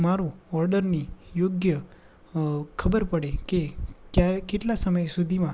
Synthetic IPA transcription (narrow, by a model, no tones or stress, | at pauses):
maɾũɔɾɖəɾnijoɡjə | kʰəbəɾpəɽekekjakeʈlasəməjsud̪ʱimã